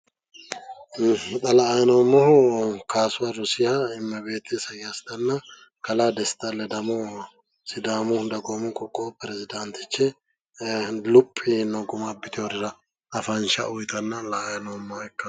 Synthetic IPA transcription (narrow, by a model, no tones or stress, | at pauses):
t̪ʼɐlɐːjɐnoːmːɔhʊkaːsʊwaɾɔsɪhɐɪmːɐbe̞ːt̪ʰːɛsɐjjast̪ɐnːɐ | kɐlaːd̪ɛst̪ɐlɛd̪ɐmo | sɪd̪aːmʊhnd̪ɐɡoːmʊkɔkʼːopɛɾɛzɪd̪ɐnt̪ɪt͡ʃːɛ | lʊpʼːɪnoɡʊmabɪt̪ɪɔɾɪɾɐ | ɐfɐnʃɐ̰ʔʊjt̪ɐnːɐlɐːjɐnomːɐɛkːɐ